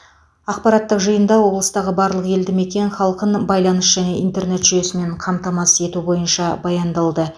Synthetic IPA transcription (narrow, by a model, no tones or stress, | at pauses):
ɑq̚pɑɾɑt̪ːəqʒəjənd̪ɑwo̞blˠəst̪ɑʁəbɑɾlˠəqe̞ld̪ɪme̞kʲe̞nχɑlˠqənbɑjlˠɑnəsʒ̥æne̞int̪e̞rne̞t̪ʒʏje̞sɪme̞ɴqʰɑmt̪ɑmɑse̞t̪ubo̞jənʃɑbɑjɑnd̪ɑlˠd̪ə